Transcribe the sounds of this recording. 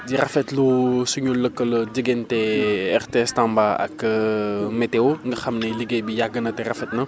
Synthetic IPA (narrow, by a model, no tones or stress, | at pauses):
ɟirɐfɛtlusuɲulːəkːəlɟəɡentɛɛrteɛstambaɐ̰k | meteoŋɡəxɐmnɛliɡebijaɡːənɐtɛrɐfɛtnɐ